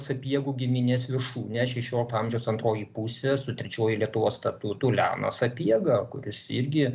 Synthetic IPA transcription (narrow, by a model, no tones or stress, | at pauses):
sɐpʲiɛɡuːɡʲɪmʲɪnʲeːsʋʲɪrʃuːnʲɛʃʲɛʃʲoːlʲɪkt̪ɑmʲʒʲɛʊsɐnt̪ɾoːjipusʲɛsʊt̪ʲɾʲɛt͡ʃʲoːjilʲiɛt̪ʊʋoːsst̪ɐt̪uːt̪ulʲæ̰ːnɐ̰sɐpʲiɛɡɐkʊ̰ɾʲɪsɪɾʲɡʲɪ